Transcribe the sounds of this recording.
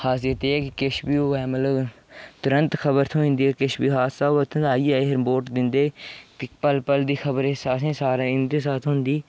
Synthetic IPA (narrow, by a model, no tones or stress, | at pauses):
haːsɪjət̪eːɛːkɪkɪʃbiːoːɛːmət̪ləb | t̪ʊɾə̃nt̪kʰəbəɾt̪ʰõːɪ̃nd̪iːkɪʃbiːɦaːt̪saːoət̪ʰõaːiːɛːɦəɾmboːʈd̪ɪnd̪eːkɪpəlpəld̪iːxʰəbəɾeːsaːsẽːsaːɾeːɪnd̪eːsaːt̪ʰɦʊnd̪iː